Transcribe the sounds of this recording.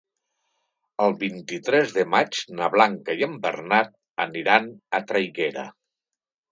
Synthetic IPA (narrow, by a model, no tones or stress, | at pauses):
əlˠβint̪it̪ɾɛzðəmat͡ʃnəβlaŋkəjəmbərnat̪̚ | əniɾanət̪ɾajɣɛɾə̰